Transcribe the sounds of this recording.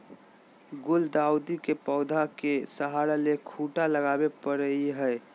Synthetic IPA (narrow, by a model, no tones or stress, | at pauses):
ɡʊld̪awd̪ikepəʊd̪ʱakesəɦaɾalekʰuʈaləɡabepəɾəiɦəɪ